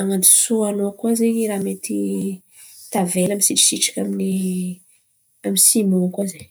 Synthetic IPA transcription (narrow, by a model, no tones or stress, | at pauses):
aŋand̪isoanoakwazeiɾamet̪i | t̪avelamisiʈ͡ʂi̥siʈ͡ʂḁkʲamini | amisimõkwaze